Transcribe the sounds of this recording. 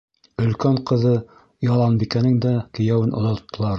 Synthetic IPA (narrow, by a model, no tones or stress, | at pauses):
ɵ̆lkæɴqɤ̆ðɤ | jɑlˠɑnbikænɘŋd̪ækɘ̆jæwɘnʔŏ̰ðŏt̪ːɤ̆lˠɑɾ